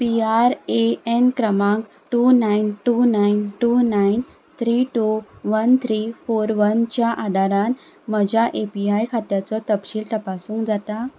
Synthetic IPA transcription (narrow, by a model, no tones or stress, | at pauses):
piaɾeenkɾəmãŋk | ʈunainʈunainʈunain | t̪ʰɾiʈuʋənt̪ʰɾifoɾʋənt͡ɕjaʔad̪ʱaɾan | məd͡ʑjaʔepiajkʰat̪jat͡sɔt̪əpɕiːlt̪əpasũːŋkd͡zat̪a